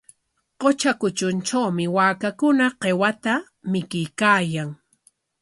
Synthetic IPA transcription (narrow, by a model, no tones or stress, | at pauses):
qot͡ʃakʊt͡ʃʊnt͡ʃawmɪwaːkakʊnaqewat̪a | mɪkɪjkaːjaŋ